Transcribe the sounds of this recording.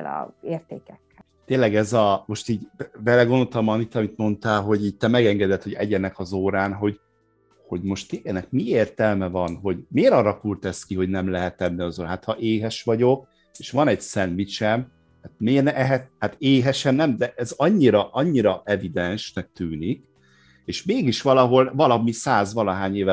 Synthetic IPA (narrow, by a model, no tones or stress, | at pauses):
lɒ̰eːrt̪eːkɛkːɛl | t̪eːlːɛɡɛzɒmo̞ʃt̪iːɟbɛlɛɡo̞nd̪o̞t̪ɒmɒnit̪ɒmit̪mo̞nt̪aːlɦo̞ɟiːɟ̚t̪ɛmɛɡɛŋɡɛd̪ɛt̪ho̞ɟɛ̰ɟɛnɛkɒzoːɾaːnɦo̞ɟ | ho̞ɟmo̞ʃt̪iɛnɛk̚mieːrt̪ɛlmɛvɒnɦo̞ɟmeːɾɒrːɒkult̪ɛskiɦo̞ɟnɛmlɛɦɛt̪ːɛnːiɒzoːɾɦat̪hɒʔeːɦɛʃʋɒɟo̞k | eːʃʋɒnɛɟsɛnvit͡ʃɛm | hat̪meːnɛɦɛt̪hat̪eːɦɛʃɛnnɛmd̪ɛʔɛzɒɲːiɾɒʔɒɲːiɾɒʔɛvid̪ɛnʃnɛk̚t̪yːnik | eːʃmeːɡiʃʋɒlɒɦo̞lvɒlɒmisaːzvɒlɒɦaːɲeːvɛ